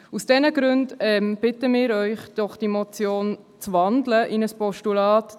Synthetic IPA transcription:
usd̥ɛnəɡɾʉndɛmb̥ɪtəmɪːɾœʏχd̥ɔχd̥imɔt͡sjoːn | t͡svɑndləʔɪnəspɔʃtulɑːt

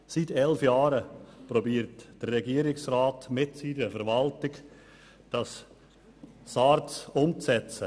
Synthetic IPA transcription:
sitʰɛlfjɑːɾəpɾɔbiːɾtd̥ərːɛɡiːəɾɪksɾaːtmɪtsiːnəfɛɾvɑltɪɡ | d̥ɑs | sɑɾt͡sʊmt͡sɛt͡sə

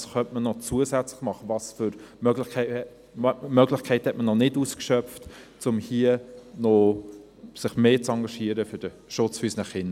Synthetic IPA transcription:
sχœntmənɔt͡suəsɛt͡slɪχmɑχəvɑsfʏɾmœɡlɪ | mœɡlɪχkʰɛɪthɛtmənɔnɪduːskʃœp͡ftt͡sʊmhiənɔ | sɪχmeːt͡sɑŋɡɑʃiəɾəfʏɾd̥ə | ʃʊt͡sfyːsnɛχɪn

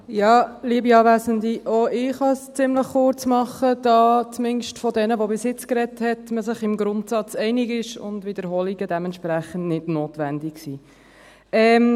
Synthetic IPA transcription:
jɑːliəbiɑːvæzəndiʔoɪχhɑst͡sɪmləχχʊɾt͡smɑχəd̥ɑt͡smɪnʃtfɔdɛnəʋobɪsjɪt͡skɾɛthɛtməsɪχɪmɡɾʊntsɑt͡sɛɪnɪɡɪʃʊ̰ndvɪd̥əɾɦɔliɡədɛmɛnʃpɾæχəntnɪdnoːtʋændɪksiː | ɛm

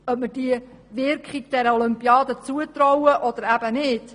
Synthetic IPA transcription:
œp̚məd̥iə | ʋɪɾkχiɡ̚d̥̪ɛɾəɔlʏmpjɑːd̪ət͡suət̪ɾɔwəʔɔd̪əɾæb̥ənɪd̥

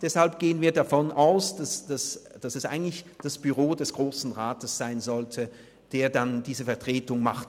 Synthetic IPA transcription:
d̥ɛshalp̚ɡ̥eːənviːɐdafɔnʔaʊsd̥asd̥asd̥asɛsʔaɪɡən̩tlɪçd̥asb̥yʁoːdɛsɡ̥ʁoːsn̩ʁaːtəsz̥aɪnzɔltʰə | d̥eːɐdandiːzəfɛɐtʁ̥eːtʊŋmaχt

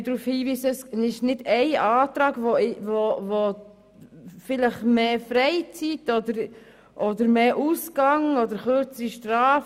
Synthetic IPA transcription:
dɾuːfhiːviːsəsnɪʃnɪdɛɪɑːt̪ɾɑːɡvoɪvovo | fɪləχmeːfɾɛɪt͡sitɔdəɾ | ʔɔdəɾmeːʔuːskɑŋɔdəɾχøɾt͡səɾiʃtɾɑːf

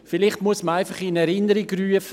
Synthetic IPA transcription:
fɪlɪχtmuəsməaɪfaχɪnɛɾɪnəɾiɡryəf

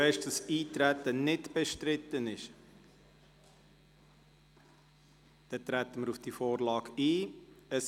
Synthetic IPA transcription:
ɛɪʃd̥ɑsiːtɾætənɪtb̥ɛʃtɾɪt̪ənɪʃ | d̥ɛt̪ɾæt̪əməɾufd̥ifoːɾlɑːɡiːəs

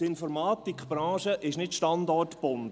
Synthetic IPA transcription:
ɪnfɔɾmɑːt̪ikχb̥ɾɑ̃ːʃəʔɪʃnɪtʃtɑnd̪ɔrtb̥ʊn

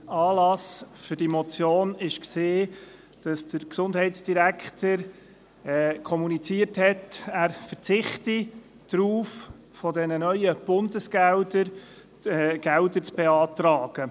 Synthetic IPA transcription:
ɑːlɑsfʏɾd̥imɔt͡sjoːnɪʃkseː | d̥ɑsd̥əɾksʊndɦɛɪtsd̥iɾækʰtəɾː | kʰɔmunit͡siəthɛtæːɾfəɾt͡sɪχti | d̥ɾuːf | fɔdɛnənœʏəb̥ʊndəsɡ̥æwdəɾ | ɡ̥ɛwdəɾt͡sb̥eɑːtrɑːɡ̥ə

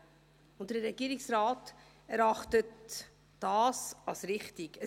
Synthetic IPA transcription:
ʊnt̚d̥əɾɛɡiːɾɪksɾɑːt | ɛɾɑχtət | d̥ɑːsɑlsɾɪχtikə

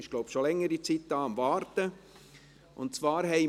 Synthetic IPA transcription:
ɪʃɡ̥loʊbʃolɛŋːəɾit͡sit̚d̥ɑːɑmvɑːɾtə | ʔʊntt͡svɑːɾɦɛɪ

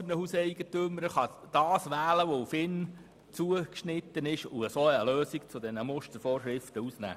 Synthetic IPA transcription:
ənəhusɛɪɡ̥ət̪ʏməɾəχɑd̥ɑːsʋæːləʋofɪn | t͡suəkʃnɪt̪ːənɪʃuəsoːəløːsiɡ̥t͡sʊd̪ɛnəmʊʃtəɾfoːɾʃɾɪft̪əusnæ̰ː

